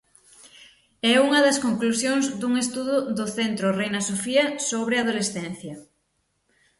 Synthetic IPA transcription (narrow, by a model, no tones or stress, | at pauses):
ɛuŋɐðɐskoŋklusjoŋzd̪uŋest̪uðʊðʊθent̪ɾʊrejnɐsofiɐsoβ̞ɾɪað̞olesθɛn̟θjɐ